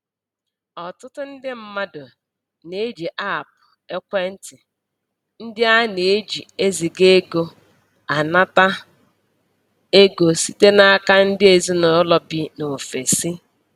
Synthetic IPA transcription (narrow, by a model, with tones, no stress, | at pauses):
ɔ˨tʊ˦tʊ˦n̩˦dɪ˦m̩˦ma˦dʊ˨ | ne˨˦d͡ʒi˨ʔa˦˨p̚ʊ̥˨ | e˦kʷe˦n̩˦tɪ˨ | n̩˦dɪ˦a˦ne˨e˦d͡ʒi˨e˦zi˨ɡe˦ɡo˦ | a˨na˦ta˦ | e˦ɡo˨si˦te˦na˦ka˦n̩˦dɪ˦e˨zi˦no˨˦lɔ˨bɪ˦no˨fe˨si˦